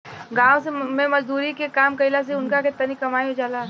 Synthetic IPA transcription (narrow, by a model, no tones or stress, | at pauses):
ɡaːwsemẽmɐzd̪uːɾikekaːmkɐɪlas̬eʊnkakɪt̪ːɐnikɐmaːiɦod͡ʒaːla